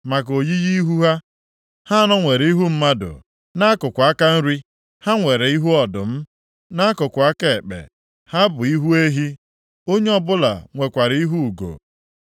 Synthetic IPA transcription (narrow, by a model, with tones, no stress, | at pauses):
ma˨k̬o˨ji˦ji˦i˦ɦu˦ɦa˦ | ha˦a˦nɔ˦ŋʷe˨ɾi˦ɦu˦m̩˦ma˦dʊ̰˨ | na˦kʊ˨kʷʊ˨a˦ka˦n̩˦ɾi˦ | ha˦ŋʷe˨ɾe˨i˦ɦu˦ɔ˨dʊ̰˨m̩˦ | na˦a˦kʊ˨kʷʊ˨a˦ke˦˨e˨k͡pḛ˨ | ha˦bʊ˨i˦ɦu˦e˦ɦi˦ | o˦ɲe˦ɔ˦bʊ˦la̰˨ŋʷe˨kʷa˨ɾi˦ɦu˦u˨ɡo̰˨